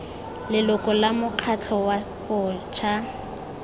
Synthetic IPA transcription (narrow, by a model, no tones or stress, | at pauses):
lɪlʊkʼɔlamʊq͡χʰat͡ɬʰɔwapɔːt͡ʃʰa